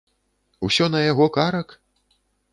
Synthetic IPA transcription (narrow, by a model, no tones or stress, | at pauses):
usʲɔnɐjaɣɔkaɾɐk